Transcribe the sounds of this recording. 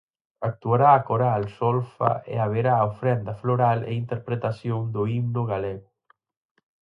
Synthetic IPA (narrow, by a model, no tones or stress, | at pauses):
ak̚t̪uaɾaːkoɾalsɔlfa̰ʔḛaβ̞eɾaːofɾɛnd̪afloɾalḛint̪eɾpɾet̪asjoŋd̪ʊimnʊɣaleɣʊ